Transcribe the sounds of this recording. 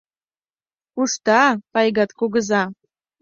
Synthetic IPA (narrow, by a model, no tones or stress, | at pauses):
uʃt̪ɑpɑjɣɑt̪koɣə̆zɑ